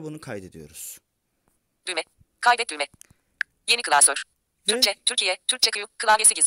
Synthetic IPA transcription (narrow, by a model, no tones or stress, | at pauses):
bunukʰajd̪ed̪ijo̞̰ɾuz̥ | d̪ymɛ | kʰajd̪ɛt̪̚lʲymɛ | je̞nikɯlˠasøɾ̥ | t̪ʰyɾt͡ʃʰɛt̪ʰyɾcʰijɛt̪ʰyɾc̚t͡ʃʰɛkʰɯjukʰɯlˠaɟesiɟiz